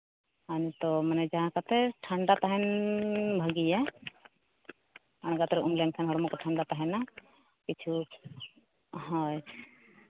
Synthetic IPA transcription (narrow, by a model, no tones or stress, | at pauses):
hant̪ɔmanɛd͡ʒaɦãkat̪ɛʈʰaɳɖat̪aɦɛn | bʱəɡija | aɽ̃ɡat̪ɔɾɛumlɛmkʰanɦɔɽɔmɔkɔʈʰaɳɖat̪aɦɛna | kit͡ʃʰu | ɦɔ̃j